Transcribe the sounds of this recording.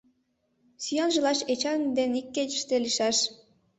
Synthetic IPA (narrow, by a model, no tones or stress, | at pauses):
sʲyjɑnʒɯlˠɑʃet͡ɕɑnd̪enikʲːet͡ɕiʃt̪elʲiʃɑʃ